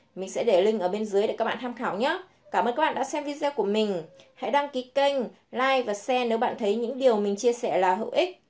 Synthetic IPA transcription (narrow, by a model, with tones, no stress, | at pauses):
mï˨˩ŋ̟sɛ̰˧˥ɗe˧˩lï˧ŋ̟ʔəː˧˩ɓe˧nzɨ˨˦ɗe˧˩ka˦˥k̚ɓ̰aː˧˨t̪ʰːmxaː˧˩wɲa˨˦ | kaː˧˩məː˨˩nkːa˦˥ɓa̰ː˧˨ɗa̰ː˧˥sɛ˧mvi˧zɛː˧ku˧˩əmï˨˩ŋ̟ha̰˧˥jɗa˧ŋki˨˦kə˧jŋ̟ | laː˧jvaː˨˩sɛ˧ne˨˦wɓa̰ː˧˨nt̪ʰə˨˦jɲɨ̰˧˥ŋɗi˨˩əwmï˨˩ŋ̟t͡ɕi˧əsɛ˧˩laː˨˩ɦə̰˧˨wʔï˦˥k̚